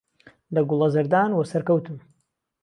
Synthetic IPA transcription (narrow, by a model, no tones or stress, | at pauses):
lɐɡʊlˠɐzɐɾd̪aːnwɐsɐɾkɐwt̪ʰɨm